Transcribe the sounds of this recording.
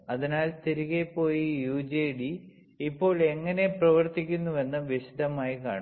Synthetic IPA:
ɐðinaːlst̪iɾiɣepːo̞ːjijuːd͡ʑeːɖi | ipːo̞ːɭe̞ŋːɐne̞prɐʋɐrt̪ikʲːunːuʋenːɐʋisi̥d̪ɐmaːjika̰ːɳ

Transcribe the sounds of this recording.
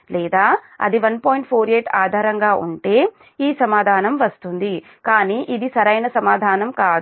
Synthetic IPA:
lɛːd̪aː | ɐ̰d̪iʋɐnpoːjiɳʈ̚pʰoːɾieːʈaːd̪ʱaːɾɐŋɡaːʔuɳʈe̞ː | iːsɐmaːd̪ʱaːnɐmʋɐst̪und̪i | kaːniːʔid̪isɐɾɐjnɐsɐmaːd̪ʱaːnɐmkaːd̪u

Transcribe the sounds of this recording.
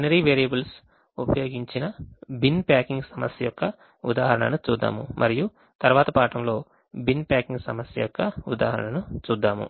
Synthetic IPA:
nɐɾiːʋeːɾijɐbɐls | upɐjoːɡiɲt͡ʃinɐbinpaːkiŋɡsɐmɐsjɐjɔkːɐ | ud̪aːɦɐɾɐɳɐ̰nut͡ʃuːd̪ːa̰ːmumʔɐɾiju | t̪ɐɾʋaːt̪ɐpaːʈɐmlo̞ː | binpaːkiŋɡsɐmɐsjɐ̰jɔkːɐud̪a̰ːɦɐɾɐ̰ɳɐnut͡ʃuːd̪ːaːmṵ

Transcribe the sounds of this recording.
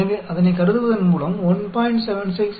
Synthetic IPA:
ʋeːʔɐðɐnɐɪkɐɾɯðɯʋɐðɐnmuːɭɐmɔnpaːjɪɳʈsɛʋɛnsɪks

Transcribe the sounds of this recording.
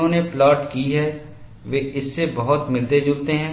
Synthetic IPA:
õneplɔːʈkiɦɛː | ʋeːʔɪsːebɐɦʊt̪mɪld̪ed͡ʒuːt̪eɦɛ̃ː

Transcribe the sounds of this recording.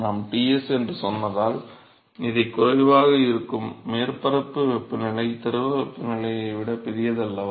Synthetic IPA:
naːmʈiːɛsɛndrɯsɔnːɐðaːl | ɪðɐɪkːʊɾɐɪʋaːɣɐɪɾɯkːɯmːeːrpɐɾɐpːɯpːɪnɪɭɐɪt̪ɐɾɯʋɐpːɪnɪɭɐjɐɪʋɪɽɐpɪɾɪjɐðɐlːɐ

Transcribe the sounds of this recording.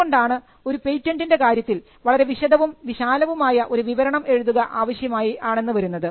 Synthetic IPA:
o̞ɳɖaːɳɨ | o̞ɾupe̞jtːɐndindekaːɾjɐt̪ːil | ʋɐɭɐɾe̞ʋiɕɐd̪ʱɐʋumʋiɕaːlɐʋumaːjɐʔo̞ɾuʋiʋɐɾɐɳɐme̞ɻuðuɣɐʔaːʋɐɕjɐmaːjiaːɳe̞nːɨʋɐɾunːɐðɨ

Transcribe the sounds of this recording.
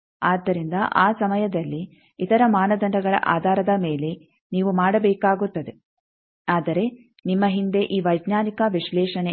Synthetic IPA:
aːd̪ːɐɾind̪ɐʔaːsɐmɐjɐd̪ɐlːi | it̪ɐɾɐmaːnɐd̪ɐɳɖɐɡɐɭɐ̰ʔa̰ːd̪ʱaːɾɐd̪ɐmeːle̞ | niːʋumaːɽɐbɛːkaːɡut̪ːɐd̪e̞ | aːd̪ɐɾe̞ | nimːɐɦind̪e̞ʔiːʋɐjɡnaːnikɐʋiʃlɛːʂɐne

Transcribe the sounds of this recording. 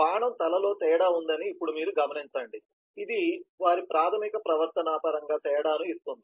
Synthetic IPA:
baːɳɐmt̪ɐlɐlo̞ːt̪ɛːɽaːund̪ɐniːpːuɽumiːɾuɡɐmɐnint͡ʃɐɳɖi | id̪iʋaːɾipɾaːt̪ʰɐmikɐpɾɐʋɐɾt̪ɐnaːpɐɾɐŋɡaːt̪ɛːɐɽaːnuist̪ond̪i

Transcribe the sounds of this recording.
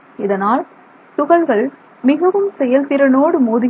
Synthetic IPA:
ɪðɐnaːl | t̪ʊɣɐɭɣɐɭ | mɪɣɐʋɯmsɛjɐlt̪ɪɾɐnoːɽɯmoːðɪ

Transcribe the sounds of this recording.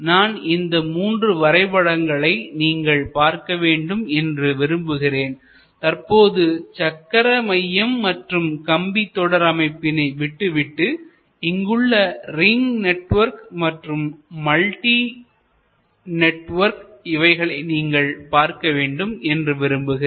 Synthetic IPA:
naːnɪnd̪ɐmuːndrɯʋɐɾɐɪpɐɽɐŋɡɐɭɐɪniːŋɡɐɭpaːɾkɐʋeːɳɖɯmɛndrɯʋɪɾɯmbɯɣɪreːn | t̪ɐrpoːðɯt͡ʃɐkːɐɾɐmɐjːɐmːɐʈrɯmkɐmbit̪ːɔɽɐɾɐmɐɪpːɪnɐɪʋɪʈːɯʋɪʈːɯ | ɪŋɡɯɭːɐrɪŋɡnɛʈʋɐɾkmɐʈrɯmːɐlʈi | nɛʈʋɐɾkɪʋɐɪɣɐɭɐɪniːŋɡɐɭpaːɾkɐʋeːɳɖɯmɛndrɯʋɪɾɯmbɯɣɪ

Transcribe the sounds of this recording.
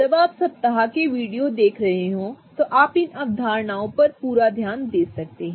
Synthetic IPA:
d͡ʒɐbaːpsɐb̚t̪ɐɦakeʋiːɖijod̪eːkʰɾɐɦeɦõːt̪oʔaːpɪnɐb̚d̪ʱaːɾɳaːõpɐɾpuːɾad̪ʱjaːnd̪eːsɐk̚t̪eɦɛ̃

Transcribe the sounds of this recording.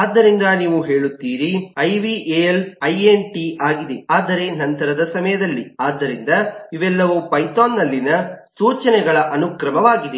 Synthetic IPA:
aːd̪ːɐɾind̪ɐniːʋuɦe̞ːɭut̪ːiːɾiɐjʋiʔelɐjenʈiʔaːɡid̪eaːd̪ɐɾe̞nɐnt̪ɐɾɐd̪ɐsɐmɐjɐd̪ɐlːiaːd̪ːɐɾind̪ɐiʋɛlːɐʋupɐjt̪aːnːɐlːinɐsuːt͡ʃɐnɛɡɐɭɐʔɐnukɾɐmɐʋaːɡid̪e

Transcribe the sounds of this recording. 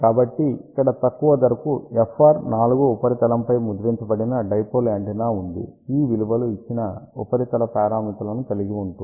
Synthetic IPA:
kaːbɐʈːiikːɐɽɐt̪ɐkːuʋɐd̪ɐɾɐkuefʰːaːɾnaːluɡuːpɐɾit̪ɐlɐmpɐjmud̪ɾiɲt͡ʃɐbɐɽinɐɖɐjpolaːɳʈinaːund̪ḭiːʋilubɐluit͡ʃːinɐṵpɐɾit̪ɐlɐpɾaːɾaːmit̪ɐlɐnukɐliɡiuɳʈu

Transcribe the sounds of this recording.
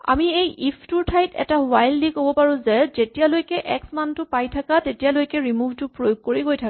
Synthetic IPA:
a̰miejʔipʰtʊɹtʰajtɛ̰tawajllikɦobɔpaɹũzɛzetijalojkɛʔɛksmantʊpajtʰakatetijalojkɛɹimubtʊpɹojoɡ̚koɹiɡojtʰaka

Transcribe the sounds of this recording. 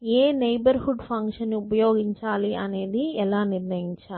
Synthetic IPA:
eːnɐjbɐɾhuɖpʰɐŋkʂɐnːiupɐjo̞ːɡiɲt͡ʃaːliɐne̞ːd̪iɛlaːniɾnɐjiɲt͡ʃaːli

